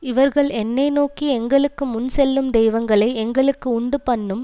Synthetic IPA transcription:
ɪʋɐɾɣɐɭɛnːɐɪnoːkiɛŋɡɐɭɯkːɯmʊnsɛlːɯmd̪ɛjʋɐŋɡɐɭɐɪɛŋɡɐɭɯkːɯʊɳɖɯpɐɳːɯm

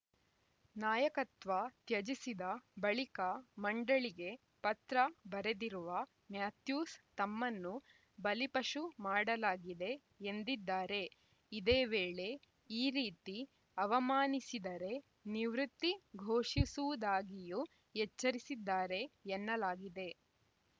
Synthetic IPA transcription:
naːjɐkɐt̪ʋat̪jɐd͡ʒisid̪ɐbɐɭikɐmɐɳɖɐɭiɡe̞ | pɐt̪ɾɐbɐɾed̪iɾuʋɐ | mjaːt̪juːst̪ɐmːɐnːu | bɐlipɐʂumaːɽɐlaːɡid̪e̞ː | nd̪id̪ːaːɾe̞ | id̪eːʋeːɭe̞ | iːɾiːt̪i | ɐʋɐmaːnisid̪ɐɾe̞ | niʋɾut̪ːiɡʱoːʂisuʋud̪aːɡiju | ɦɛt͡ʃːɐɾisid̪ːaːɾe̞ɛnːɐlaːɡid̪e̞

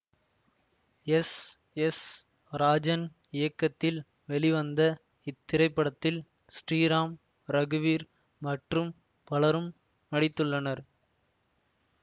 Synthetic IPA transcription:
ɛs | ɛs | ɾaːd͡ʒɐn | ɪjɐkːɐt̪ːɪl | ʋɛɭɪʋɐnd̪ɐ | ɪt̪ːɪɾɐɪpːɐɽɐt̪ːɪl | sʈriːɾaːm | ɾɐɣɯʋiːɾ | mɐʈrɯm | pɐlɐɾɯmː | ɐɽɪt̪ːɯɭːɐnɐɾ

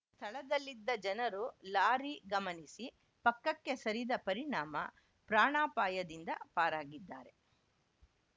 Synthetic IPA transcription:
st̪ʰɐɭɐd̪ɐlːid̪ːɐd͡ʒɐnɐɾulaːɾiɡɐmɐnisi | pɐkːɐkːe̞sɐɾid̪ɐpɐɾiɳaːmɐ̰ | pɾaːɳaːpaːjɐd̪ind̪ɐpaːɾaːɡid̪ːaːɾe̞

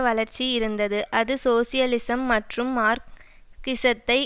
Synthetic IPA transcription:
ʋɐɭɐɾt͡ʃːijɪɾɯnd̪ɐðɯʔɐðɯsoːsɪjɐlɪsɐmːɐʈrɯmːaːɾ | kɪsɐt̪ːɐɪ

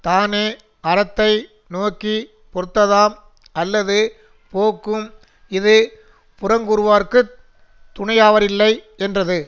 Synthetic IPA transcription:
t̪aːneː | ɐɾɐt̪ːɐɪ | noːkːi | pɔɾɯt̪ːɐðaːm | ɐlːɐðɯ | poːkːɯm | ɪðɯ | pʊɾɐŋɡɯɾɯʋaːɾkɯ | t̪ʊɳɐɪjaːʋɐɾɪlːɐɪ | ɛndrɐðɯ

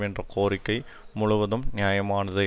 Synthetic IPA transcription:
iɳdrɐkoːrikʲːɐj | mʊɭʊʋɐðɐmnjaːjɐmaːɳɐðɐ

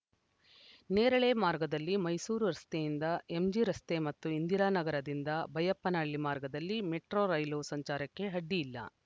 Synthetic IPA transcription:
neːɾɐɭe̞maːɾɡɐd̪ɐlːimɐjsuːɾuɾɐst̪e̞jind̪ɐe̞md͡ʒiɾɐst̪e̞mɐt̪ːuind̪iɾaːnɐɡɐɾɐd̪ind̪ɐbɐjɐpːɐnaːɭːimaːɾɡɐd̪ɐlːimeʈɾoɾɐjloːsɐɲt͡ʃaːɾɐkːe̞ɦɐɖːijilːɐ̰

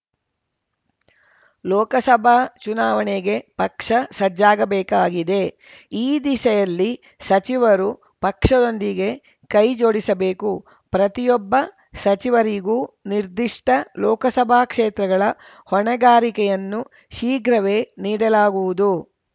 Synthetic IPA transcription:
lɔːkɐsɐbʱaːt͡ʃunaːʋɐneɡe̞pɐkʂɐsɐd͡ʒaːɡɐbɛːkaːɡid̪e̞ | iːd̪isɐjɐlːi | sɐt͡ʃiʋɐɾu | pɐkʂɐd̪o̞nd̪iɡe̞ | kɐjd͡ʒo̞ːɽisɐbeːku | pɾɐt̪ijɔbːɐ | sɐt͡ʃiʋɐɾiɡuːniɾd̪iʂʈɐlɔːkɐsɐbʱaːkʂeːt̪ɾɐɡɐɭɐ | hɔɳɐɡaːɾikɛjɐnːu | ʃiːɡɾɐʋe̞ːniːɽɐlaːɡuʋud̪u

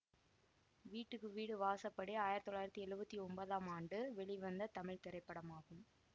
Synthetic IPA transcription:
ʋiːʈːɯkːɯʋiːɽɯʋaːsɐpːɐɽeaːjɪɾɐt̪ːɔɭːaːjɪɾɐt̪ːiɛɻɯbɐt̪ːiɔmbɐðaːmaːɳɖɯʋɛɭɪʋɐnd̪ɐt̪ɐmɪɻt̪ɛɾɐɪpːɐɽɐmaːɣɯm

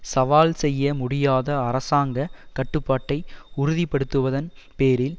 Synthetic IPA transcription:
sɐʋaːlsɛjːɐmʊɽɪjaːðɐɐɾɐsaːŋɡɐkɐʈːɯpːaːʈːɐɪʊɾʊðipːɐɽɯt̪ːɯʋɐðɐn | peːɾɪl

